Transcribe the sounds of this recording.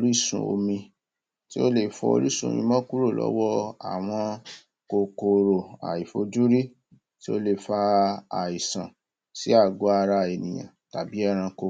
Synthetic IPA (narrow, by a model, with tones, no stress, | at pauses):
o˧ɾi˦sṵ̃˨o̰˧mĩ˧ | ti˦o˦le˦˨fɔ̰˧o̰˧ɾi˦sũ˦˨o̰˨mĩ˧˦mɔ̃˦ku˦ɾo˦˨lɔ̰˨˦wɔ˦a̰˨w̃ɔ̃˧ | ko˧ko˨ɾo˨a̰˨i˨fo˧d͡ʒu˦ɾi˦ | ti˦o˦le˦˨fa˧a˨i˨sã̰˨ | si˦a˦˨ɡo˨˦a˧ɾa˧˨e˨nĩ˨j̃ã̰˨ta˨bi˨˦ɛ˦˨ɾ̃ã˧ko˧